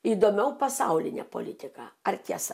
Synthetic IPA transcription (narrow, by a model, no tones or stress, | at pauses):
iːd̪oːmʲɛʊpɐsɐʊlʲɪnʲɛ̰po̰lʲɪt̪ʲɪkɑ̰ɐrt̪ʲiɛsɐ